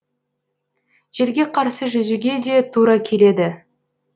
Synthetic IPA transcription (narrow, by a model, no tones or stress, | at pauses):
ʒ̥e̞ɾɡʲe̞qʰɑɾsəʒʏzɪɡʲe̞d̪e̞t̪ʰuɾɑkʲʰe̞le̞d̪ɪ